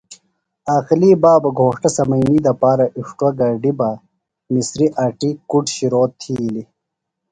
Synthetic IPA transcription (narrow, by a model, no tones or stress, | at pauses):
aːxiliːbaːbɐɡʱoːʂʈɐsɐmɐniːd̪ɐpaːɾɐʔiʂʈwɐɡɐɖiba | misɾiʔaʈikuʈɕiɾoːtt̪ʰːili